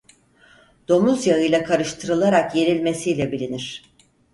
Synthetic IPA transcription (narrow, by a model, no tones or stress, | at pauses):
d̪̥o̞muzjaɯjlʲˠakʰaɾɯʃt̪ʰɯɾɯlˠaɾakje̞ɾilʲme̞sijlʲɛbilʲiniɾ̥